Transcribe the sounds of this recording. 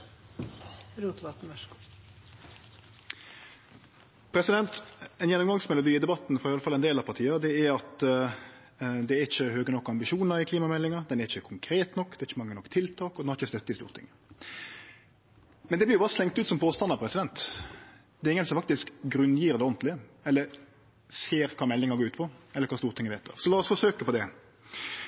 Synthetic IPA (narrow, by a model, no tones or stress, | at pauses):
ɾuːt̪ʋɑt̪œʂk | pʰɾɛsɪd̪ɛnt̪ɛnjɛnːɔmɡɑŋsmɛlʊd̪iːɪd̪ɛbɑt̪ːn̩fɔɑɾɪjɑləfɑlɛnd̪eːlɑpʰɑɾt̪ʰiːəd̪ɛæɾɑt̪ | d̪ɛæɪçːəhøːɡənɔkːɑmbɪʃuːnəɾɪkʰliːmɑmɛlːɪŋɑd̪ɛnɛɾɪçəkʰʊŋkʰɾeːt̪nɔkːd̪ɛæɾɪçːəmɑŋːənɔkːt̪ʰɪlt̪ʰɑːkɔd̪ɛnhɑɾɪçəst̪œt̪ːəɪst̪ṵːʁt̪ʰɪ̰ŋ | mɛnd̪ɛblɪɾjʊbɑːɾəslɛŋt̪ʉːt̪sɔmpʰoːst̪ɑnɑɾpʰɾɛsɪd̪ɛnt̪ | d̪̥ɛɾɪŋːənsɔmfɑk̚t̪ɪskɡɾʉnːjiːɾd̪ɛɔnt̪lɪɛlːəɾ | seːɾkʰɑːmɛlːɪŋəɾɡoːʉːt̪pʰɔɛlːəkɑːst̪uːɾt̪ɪŋəʋeːt̪d̪ɑ̰ːʁsɔlɑːɔsfɔʂøːkəpɔd̪ɛ